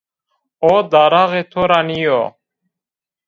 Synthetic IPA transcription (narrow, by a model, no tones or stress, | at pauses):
od̪aːɾaɣet̪ʰoɾanijo